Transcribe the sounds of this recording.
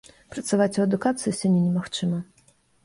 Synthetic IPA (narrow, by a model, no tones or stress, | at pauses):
pɾɐt̪savat͡sʲuɐd̪ukat̪sɨjusʲanʲɛnʲɛmaxt͡ʂɨmɐ